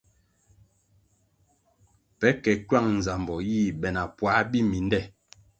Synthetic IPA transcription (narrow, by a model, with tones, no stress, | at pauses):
pɛ˨˦kɛ˨kɥa˦˨ŋn̩˨za˨mbɔ˨jiː˦˨bɛ˨na˨pwa˨˦bi˦mi˨˦ndɛ˦˨